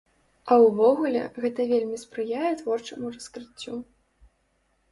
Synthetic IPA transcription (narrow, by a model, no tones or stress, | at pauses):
ɐwvɔɣulʲɛ̰ɣɛt̪ɐvʲelʲmʲispɾɨjajɛt̪vɔrt͡ʂɐmurɐskɾɨt͡sʲːu